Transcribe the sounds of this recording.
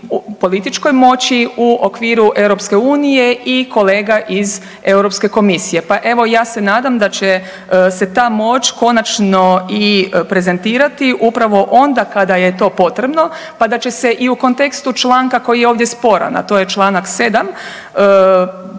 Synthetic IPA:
upo̞lit̪it͡ʃko̞jmo̞t͡ɕiuʔokʋiːɾuʔe̞wɾo̞pske̞uːnijeʔiko̞le̞ːɡaʔiz | e̞wɾopske̞ko̞misije̞paʔe̞ʋo̞jaːse̞naːd̪amd̪at͡ɕe | se̞t̪aːmo̞t͡ʃko̞nat͡ʃno̞ipɾe̞ze̞nt̪iːɾat̪iʔupɾaʋo̞ʔo̞nd̪akad̪ajet̪o̞ːpo̞t̪ɾe̞bno̞ | pad̪at͡ɕe̞se̞ʔiuko̞nt̪e̞kst̪ut͡ʃlˠaːŋkako̞jijeoːʋd̪jespo̞ɾa̰na̰t̪o̞ːjet͡ʃlˠaːnakse̞d̪am | ə

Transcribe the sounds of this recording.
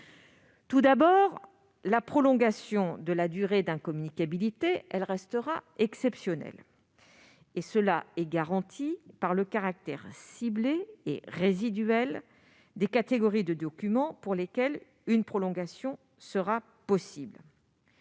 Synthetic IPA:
t̪ud̪abɔʁ | lapχɔlɔ̃ɡasjɔ̃d̪əlad̪yʁed̪ɛ̃kɔmynikabilit̪eɛlʁɛst̪əʁaɛksɛpsjɔnɛ̰l | esəlaɛɡaʁɑ̃t̪ʰipaʁləkaʁak̚t̪ɛʁsibleḛʁezid̪ɥɛl | d̪ekat̪eɡɔʁid̪əd̪ɔkʲymɑ̃puʁlekʲɛl | ynpχɔlɔ̃ɡasjɔ̃ | səʁa | pɔsibl

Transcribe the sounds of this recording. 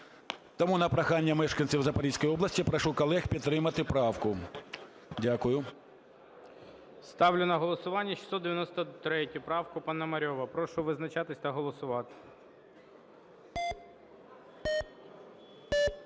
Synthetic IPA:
t̪ɔmunɐpɾɐxɑnʲːɐmɛʃkɐnʲt͡sʲiwzɐpɐɾʲisʲkɔjɔblɐsʲtʲipɾɐʃukɔlˠɛxpʲid̪t̪t̪ːɾɪmɐt̪ɪpɾɑwkʊ | dʲakʊjʊ | st̪ɑwlʲʊnɐɦɔlˠɔsʊʋɑnʲːɐʃʲi̥sɔd̪eʋʲjɐnɔst̪ɔt̪ɾɛtʲʊpɾɑwkʊpɐnɐmɐɾʲɔʋɐpɾɔʃʊʋɪznɐt͡ʃɑt̪ɪsʲt̪ɐɦɔlˠɔsʊʋɑt̪ɪ̥

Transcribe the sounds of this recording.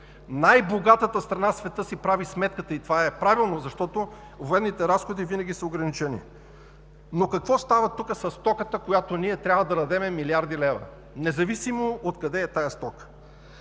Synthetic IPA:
najboɡat̪ət̪əst̪ɾɐnasvɛt̪ɤsipɾavismɛt̪̚kət̪əit̪ovaɛpɾavilˠnozɐʃt̪ɔt̪o | voɛnːit̪ɛɾasxod̪ivinɐɡʲisəoɡɾɐnit͡ʃɛnḭ | nokɐkvɔst̪avɐt̪ukəsɐsːt̪ɔkət̪əkojat̪oniɛt̪ɾʲabvəd̪ɐɾɐd̪ɛmɛmiliaɾd̪ilɛvɐ̰ | nɛzɐvisimoot̪kɐd̪ɛːt̪ajəst̪ɔk

